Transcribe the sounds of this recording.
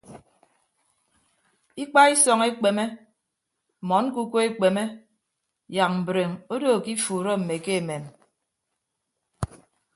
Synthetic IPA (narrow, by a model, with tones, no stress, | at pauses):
i˦k͡pa˦i˦sɔ˨ŋe˦k͡pe˨me˦˨ | mɔ˨˦n˦ku˦ko˦e˦k͡pe˨me˦ | ja˨k̚m̩˨bɾe˨ŋo˦do˦˨ki˦fuː˨ɾɔ˦m̩˨me˨ke˦e˨me˨m